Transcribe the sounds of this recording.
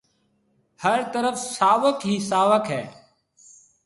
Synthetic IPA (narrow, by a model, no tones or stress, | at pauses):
həɾt̪əɾəfsaːʋəkɦiːsaːʋəkɦɛː